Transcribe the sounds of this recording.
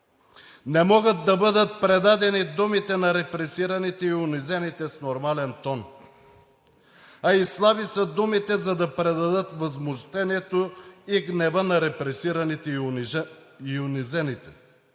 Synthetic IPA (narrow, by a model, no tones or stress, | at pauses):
nɛmɔɡət̪̚d̪ɐbɤd̪ət̪̚pɾɛd̪ad̪ɛnid̪umit̪ɛnɐɾɛpɾɛsiɾɐnit̪ɛiʊnizɛnit̪ɛsnoɾmalɛnt̪ɔn | ɐislˠavisɐd̪umit̪ɛzɐd̪ɐpɾɛd̪ɐd̪ət̪vɐzmʊʃt̪ɛniɛt̪oiɡnɛvənɐɾɛpɾɛsiɾɐnit̪ | iʊnizɛnit̪ɛ̥